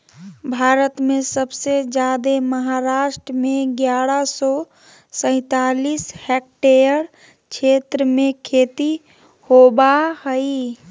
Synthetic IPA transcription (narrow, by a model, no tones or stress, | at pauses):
bʱaːɾət̪mesəbsed͡ʒjad̪eməɦaɾaʃʈɾəmeɡjaɾəsɔ | sə̃ɪ̃t̪alishɛk̚ʈejəɾ | t͡ʃʰet̪ɾəmekʰet̪i | hobahəi